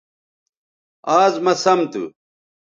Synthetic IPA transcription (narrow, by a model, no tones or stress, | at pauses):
aːzmɐsɐmt̪ṵ